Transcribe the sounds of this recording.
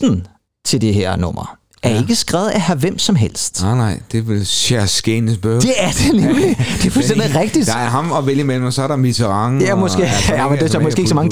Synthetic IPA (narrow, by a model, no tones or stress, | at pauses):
n̩ | t͡sʰe̝ld̥eɦeɐ̰nɔ̽m̰ɐ | ʔæɐe̝ɡ̥əsɡ̥ʁɛ̰ːʊð̩ˠæhæʋem̰sɒ̽mɦel̰sd̥nɑɪ̰d̥e̝ʋelɕæɐsɡ̥ensb̥ød̥e̝æɐd̥enemlid̥e̝fɒssenðˠʁɛɡ̥̚d̥id̥æɐɦɑ̈mɒʋeljəmel̰mɒsɒæɐɾɑ̈mit͡sʰəʁɑ̈ŋjæmɒsɡ̥e̝̰ːæmənd̥e̥sɒmɒsɡ̥e̝ːɪɡsɒmɑ̈ŋə